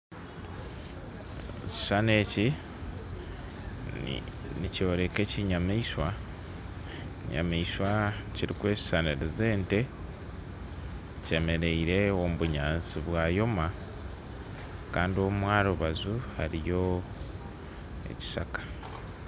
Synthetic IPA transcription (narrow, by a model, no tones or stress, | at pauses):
ci̥sane̞ːci | nico̞ːɾe̞ke̞ciɲamaiʃwa | ɲa̰maiswaciɾikwe̞ːci̥saneɾize̞ːnte̞ | ce̞me̞ɾe̞iɾe̞omuβuɲaːnsiβwaːjo̞ma | kaːndio̞mumwaːɾoβazuha̰ɾijo̞ | ḛci̥sakḁ